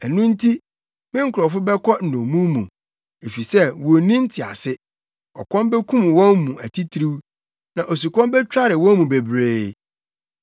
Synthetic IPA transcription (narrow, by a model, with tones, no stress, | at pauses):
ɛ˨nũ˦n̩˦tʰi˦ | mɪ̃˦ŋ̩˦kʰʊ˨ɾɔ˨fʊ˦bɛ˦kʰɔ˦n̩˨nõ˨mũ˦mũ˨ | e˨fi˨sɛ˦˨wɔ˨nĩ˦n̩˦tʰɪ˨a̰˨sɪ˦ | ɔ̰˨kʰʷɔ̃˦mbɛ˦kʰũ˦m˨wɔ̃˦nːũ˨æ˨tʰi˦tʰɾi˦w | nã˨ʔo˨s̬u˨kʰʷɔ̃˦mbɛ˦t͡ɕᶣa˦ɾɪ˨wɔ̃˦n˦mũ˨be˨bɾeː˦